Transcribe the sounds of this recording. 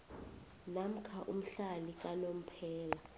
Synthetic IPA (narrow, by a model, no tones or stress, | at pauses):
nam̩kʰaʔṵm̩ɬalik̬ʼanom̩pʰɛːla